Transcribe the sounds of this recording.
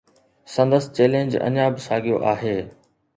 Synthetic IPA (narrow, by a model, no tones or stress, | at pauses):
sɐ̃nd̪əst͡ɕeːlẽːɲd͡ʑɐ̰ɲãːbɪsaːɡijoʔaːɦeː